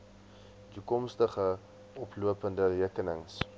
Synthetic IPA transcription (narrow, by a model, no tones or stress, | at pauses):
tukɔmstəχə | ɔpluəpəndəriəkənəŋs